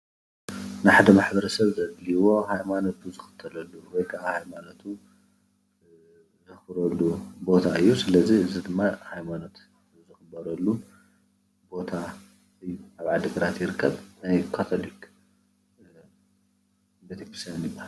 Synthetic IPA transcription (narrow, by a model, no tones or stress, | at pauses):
nɨħad̪ɐmaħbɐɾɐsɐβzɐd̪liwo̞hajmano̞t̪uzɨxɨ̥t̪ʰːɐlɐlːuwɔjkʰaʔahajmano̞t̪ʰu | zɨxɨɾɐlːubo̞t̪ʰaɨjːusɨlɐziɨzid̪ɨmːahajmano̞t̪ | zɨxɨbɐɾɐlːu | bo̞t̪ʰa | ɨjːuʔaβʕad̪ɨɡɨɾat̪jɪɾɨkʰːɐβnajkʰat̪ʰolik | bɐt̪ʰipi̥sanjɪbːahal